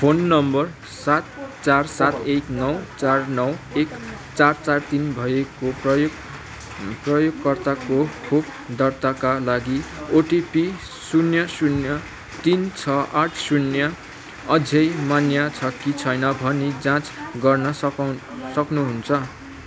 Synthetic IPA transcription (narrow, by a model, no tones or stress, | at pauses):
pʰonːʌmbʌr | sat̪̚t͡sarsat̪eknʌwt͡sarnʌwek | t͡sart͡sart̪inbʱʌekoprʌjoɡ | prʌjoɡkʌrt̪akokʰokʰd̪ʌrt̪akalaɡioʈipi | sunjʌsunjʌ | t̪int͡sʰʌʔaʈʰsunjʌ | ʌd͡zʱʌjmanjat͡sʰʌkit͡sʰʌjnʌbʱʌnid͡zãt͡sɡʌrnʌsʌ | sʌknuɦunt͡sʰʌ